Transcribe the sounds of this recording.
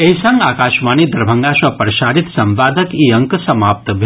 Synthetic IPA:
eɦisɐŋɡaːkaːʃmaːnid̪ɐɾbʱɐŋɡasɐpɾɐʃaːɾit̪sɐmʋaːd̪ʱəkiɐŋksɐmaːp̚t̪bʱ

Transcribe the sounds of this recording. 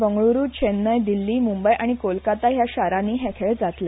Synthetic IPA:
ʋəŋɡɭoɾuːt͡ɕʰenːəjd̪ilːiːmumbəjʔaɽ̃ikolkat̪aɦjaɕaɾãniːɦɛkʰeɭd͡zat̪la

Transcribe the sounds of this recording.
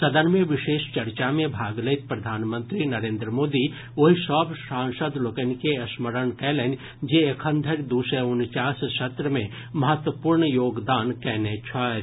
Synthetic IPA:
sɐd̪ənmẽʋɪʃeːʃt͡ʃɐɾt͡ʃamẽbʱaːɡləɪt̪̚pɾɐd̪ʱaːnmə̃nt̪ɾinɐɾẽːnd̪ɾəmoːd̪i | ʋoɦisɔːbsãːŋsəd̪lokənkeɐsməɾəɳkɛːlen | d͡ʒeekʰə̃nd̪ʱəɾd̪uːseʊnt͡ʃaːssɐt̪ɾəmẽ | mɐɦət̪ʋəpuːɾɳjoːɡd̪aːnkɛːnet͡ʃʰaː

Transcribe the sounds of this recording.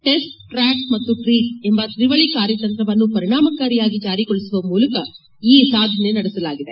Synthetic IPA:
ʈe̞sʈː | ɾaːkmɐt̪ːuʈɾiːʈe̞mbɐt̪ɾiʋɐɭikaːɾjɐt̪ɐnt̪ɾɐʋɐnːupɐɾiɳaːmɐkaːɾijaːɡid͡ʒaːɾikoɭisuʋɐmuːlɐkɐ | iːsaːd̪ʱɐne̞nɐɽesɐlaːɡid̪e̞

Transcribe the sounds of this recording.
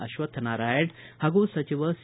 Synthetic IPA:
əɕʋət̪ʰənaɾajeʈhaɡusət͡ɕiʋəs

